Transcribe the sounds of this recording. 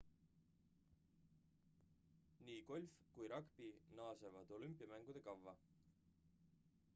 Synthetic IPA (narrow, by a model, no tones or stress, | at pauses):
niːko̞lʲfkujɾɑkpinɑːsevɑd̪̥o̞lympːˑijɑmæŋɡ̥ud̪̥e̞kɑvːɑ